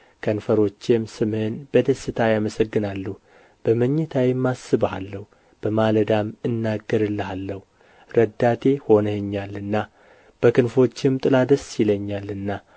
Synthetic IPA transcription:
kʰənfəɾo̞t͡ʃːemsɨmhɨnb̥əd̪əsːɨt̪ʰajaməsəɡːɨnalːu | b̥əməɲːɛt̪ʰawimːasːɨβhalːəhu | b̥əmaləd̪amɨnːaɡːəɾɨlːəhalːəhu | ɾəd̪ːat̪ʰe̞ho̞nəɲːalːɨnːa | b̥əkʰɨnfo̞t͡ʃːɪmt̪ʼɨlad̪əsiləɲːalːɨnːa

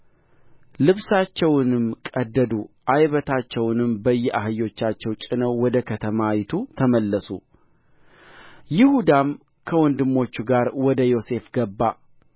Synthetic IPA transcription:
lɨβsat͡ʃːɛwnɨmkʼəd̪ːəd̪uʔajβət̪ʰat͡ʃːɛwnɨmbəjːɛʔaɦɨjo̞t͡ʃːat͡ʃːɛwt͡ʃʼɪnəwːɔd̪əkʰət̪ʰəmawɪt̪ʰut̪ʰəməlːəsu | jɪhud̪am | kʰəwɔnd̪ɨmːo̞t͡ʃːuɡaɾwɔd̪əjo̞se̞fɡəbːa

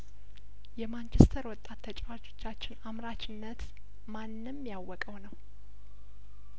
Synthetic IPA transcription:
jɛmant͡ʃʰɛst̪ʰəɾwɔt̪ʼːat̪ʰːət͡ʃʼβat͡ʃʰo̞̥t͡ʃːat͡ʃːɪnamɾat͡ʃɪnːət̪ | manːɨmːjawːɔkʼəwnəw

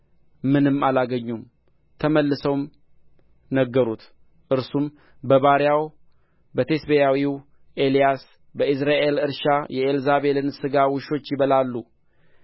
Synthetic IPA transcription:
mɨnɨmːalaɡəɲːum | t̪ʰəməlːɨsəwm | nəɡːəɾut̪ | ʔɨɾsum | bəβaɾjaw | bət̪ʰe̞sbejawiw | ʔe̞lijas | bəɨsɾaʔe̞lɨɾʃajɛelzaβe̞lɨnsɨɡawʊʃo̞t͡ʃːjɪβəlalːu

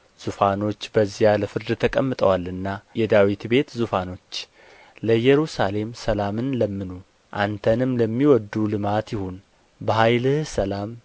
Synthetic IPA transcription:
z̥ufano̞t͡ʃːbəzːijaləfɨɾd̪ɨt̪ʰəkʼəmːɨt̪ʼəwalɨnːajɛd̪awit̪be̞t̪zufano̞t͡ʃː | ləjɛɾusale̞msəlamɨnləmːɨnu | ʔant̪ʰənɨmləmːiwɔd̪ːulɨmat̪jɪhun | bəhajlɨhsəlam

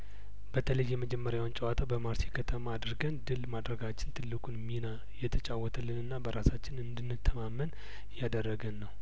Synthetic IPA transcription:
bət̪ʰələjːɛməd͡ʒɛmːəɾjawnt͡ʃʼəwat̪ʰəbəmaɾsikʰət̪ʰəmaːd̪ɾɡənd̪ɨlmad̪ɾəɡat͡ʃːɪnt̪ʰɨlːɨkʼunmina | jɛt̪ʰət͡ʃʼawːɔt̪ʰəlːɨnɨnːabəɾasat͡ʃːɪnɨnd̪ɨnːɨt̪ʰːəmamːən | jad̪ərːəɡənːəw

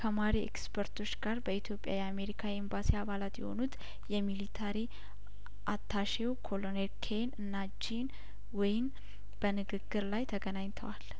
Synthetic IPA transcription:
kʰəmaɾiɛ̰kspʰəɾt̪ʰo̞t͡ʃːɡ̥aɾbəit̪ʰjo̞pʼja̰jɛame̞ɾikʰaembasiaβalat̪jɛ̰ho̞̰nut̪ | jɛmilit̪ʰaɾi | ʔat̪ʰːaʃewkʰo̞lonelkʰenɨnːad͡ʒin | wɔjɪm | b̥ənɨɡɨɡːɨɾlajt̪ʰəɡənaɲt̪ʰəwal

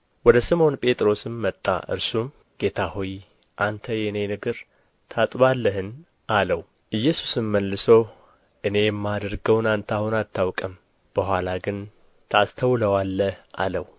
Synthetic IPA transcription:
wɔd̪əsɨmo̞npʼe̞t̪ʼɾo̞sɨmːət̪ʼːa̰ʔɨ̰ɾsum | ɡ̥e̞t̪ʰahuj | ʔant̪ʰəjɛɨne̞nɨɡɨɾ | t̪ʰat̪ʼbalːəɦɨn | aləw | ʔɨjːɛsu̥sɨmːəlːɨsow | ʔɨne̞jɛmːad̪əɾɡəwnant̪ʰahunat̪ʰːawkʼəm | b̥əɦʷalaɡɨn | t̪ʰast̪ʰəwləwalːəhʔa̰ləw

